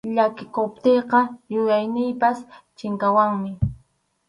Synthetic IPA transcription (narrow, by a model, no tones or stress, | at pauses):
ʎakɪkop̚t̪ejqɑjʊjajnɪjpast͡ʃɪŋkawaŋmɪ